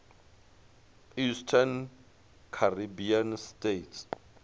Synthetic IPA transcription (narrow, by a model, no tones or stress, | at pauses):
istʰan | kʰaribianstʼetʰ